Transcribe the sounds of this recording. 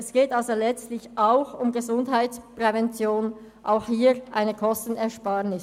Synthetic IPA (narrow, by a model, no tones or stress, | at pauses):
ɛsɡ̥eːtalzolɛt͡stlɪçʔaʊxʊmɡəzʊndɦaɪtt͡spʁ̥ɛvɛnt͡sjoːn | ʔaʊxhiːʁʔaɪnəkʰɔstn̩ɛɐʃpaːʁnɪs